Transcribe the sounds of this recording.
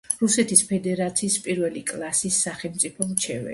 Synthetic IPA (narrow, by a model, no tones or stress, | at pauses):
ɾusɛt̪ʰispʰɛd̪ɛɾat̪sʰiːspʼiɾvɛlikʼlˠasisːaχɛlˠmt̪sʼipʰɔmt͡ʃʰɛvɛ̰